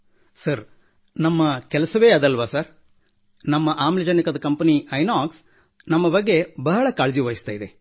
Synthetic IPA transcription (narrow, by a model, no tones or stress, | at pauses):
sɐɾ | nɐmːɐkɛlɐsɐʋeːɐd̪ɐlʋasɐɾ | nɐmːɐʔaːmlɐd͡ʒɐnikɐd̪ɐkɐmpɐniɐjnaːks | nɐmːɐbɐɡːe̞bɐɦɐɭɐkaːɭd͡ʒiʋɐːjist̪aːid̪e